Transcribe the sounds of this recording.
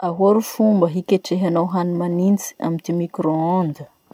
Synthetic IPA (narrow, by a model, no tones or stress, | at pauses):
aɦoɾufumbəɦikʲeʈ͡ʂeɦanawɦanimanint͡si̥a̰mit̪imikɾoond̪ə